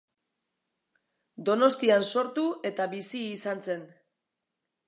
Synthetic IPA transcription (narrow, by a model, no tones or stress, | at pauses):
d̪o̞no̞st̪ianso̞ɾt̪ue̞t̪aβisiːsanse̞n